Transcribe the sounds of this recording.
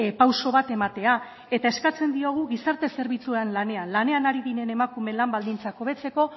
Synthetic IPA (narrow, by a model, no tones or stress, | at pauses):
pawso̞β̞at̪e̞mat̪e̞a | e̞t̪ae̞skat͡se̞nd̪io̞ɣ̞uɣisaɾt̪e̞se̞ɾβit͡suanlane̞anlane̞anaɾiðiɾe̞ne̞makume̞nlambald̪int͡sako̞β̞e̞t͡se̞ko̞